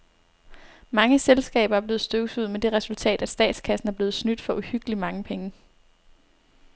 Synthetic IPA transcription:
mɑ̈ŋəselsɡ̥ɛ̰ːb̥ɐæɐb̥le̝ːð̞̩ˠsd̥øɡ̥əsuð̞̰ˠmed̥e̝ʁɛsult͡sʰɛ̰ːd̥æ̥sd̥ɛ̰ːd̥skʰæsn̩æɐb̥le̝ːð̩ˠsnyd̥fɒ̽ʔuhyɡ̥əlimɑ̈ŋəpʰeŋə

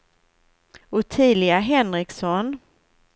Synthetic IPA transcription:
ʊt̪ʰiːlɪaɦɛnɾɪksɔn

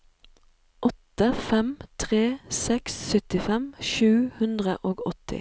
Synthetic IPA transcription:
ʔɔt̪əfɛmt̪ʰʁeːsɛksːœt̪ɪfɛmʃʉːhʉnd̪ʁəʔoːɡɔt̪ɪ̰

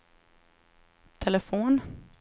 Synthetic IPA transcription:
t̪ʰɛlɛfoːn

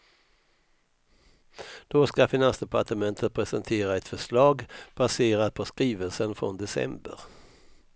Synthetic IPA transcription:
d̪̥ɔskafɪnansd̪ɛpʰaʈəmɛnt̪ʰət̪̚pʰɾɛsənt̪ʰeːɾaɛt̪fœʂɭɑːɡb̥aseːɾad̪̚pʰɔskɾiːvəlsənfɾɔ̰nd̪ɛsɛ̰mbə̰ɾ

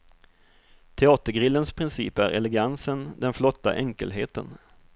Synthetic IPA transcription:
t̪ʰɛɑːt̪əɾɡɾɪlːənspʰɾɪnsḭːpæɾɛ̰lɛɡansənd̪ɛnflɔt̪ːa̰ʔɛŋkə̰lɦeːt̪ə̰n

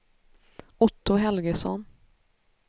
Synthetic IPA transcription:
ʊt̪ʰːʊɦɛlɡəsɔ̰n

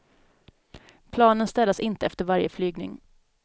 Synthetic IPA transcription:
pʰlɑːnənst̪ɛlːasɪnt̪əɛft̪əɾvaɾjəflyːɡnɪ̰ŋ

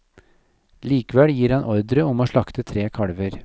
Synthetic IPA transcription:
liːkəʋɛljiːɾhɑnʔɔɾd̪ɾəɔmoːʂɭɑkt̪ət̪ʰɾeːkʰɑɽʋəɾ

